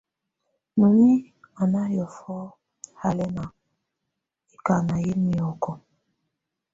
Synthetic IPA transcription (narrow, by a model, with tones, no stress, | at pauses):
nu˨ni˦ | a˨na˦jɔ˨fɔ˦ | ha˨lɛ˦na˨ | i˨ka˨na˨je˦mi˨ɔ˨kɔ˦